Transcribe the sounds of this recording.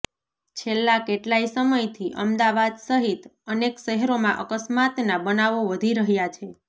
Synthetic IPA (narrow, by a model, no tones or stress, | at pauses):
t͡ʃʰelːakeʈlaisəməjt̪ʰiʔə̰md̪aʋad̪səɦit̪ənekʃəɦeɾomãʔəkəsmat̪nabənaʋoʋəd̪ʱiɾəɦjat͡ʃʰe